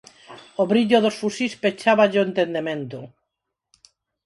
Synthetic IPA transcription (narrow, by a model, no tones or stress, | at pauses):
oβɾiʎʊðosfusispet͡ʃaβaʎoent̪end̪emẽnt̪ʊ